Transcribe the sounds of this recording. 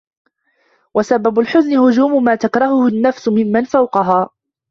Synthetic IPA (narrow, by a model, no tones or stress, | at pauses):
wasabːabʊlħʊznɪhʊd͡ʒuːmʊmaːt̪akɾˤɑhʊhʊnːafsʊmɪmːanfawqɑɦaː